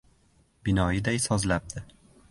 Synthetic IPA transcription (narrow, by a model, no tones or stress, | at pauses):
bɪnɒjɪd̪ajsɒzlap̚d̪̥ɪ